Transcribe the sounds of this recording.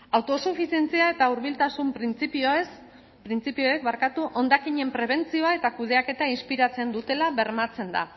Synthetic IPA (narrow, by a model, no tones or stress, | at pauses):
awt̪o̞sufisie̞nt͡siae̞t̪auɾβ̞ilt̪asumpɾint͡sipioes | pɾint͡sipio̞ek̚βaɾkat̪uʔo̞nd̪akiɲe̞mpɾe̞β̞e̞nt͡sio̞ae̞t̪akuð̞e̞ake̞t̪ainspiɾat͡se̞nd̪ut̪e̞laβe̞ɾmat͡se̞nd̪a̰